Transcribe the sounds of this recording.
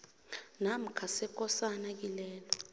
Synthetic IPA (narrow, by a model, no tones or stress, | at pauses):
nam̩kʰasɛk̬ʼɔsanak̬ilɛːlɔ